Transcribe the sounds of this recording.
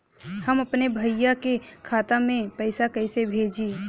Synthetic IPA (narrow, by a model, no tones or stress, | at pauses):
həmɐpnebʱəɪjakekʰaːt̪amẽpəɪsakɐɪsebʱeːd͡ʒiː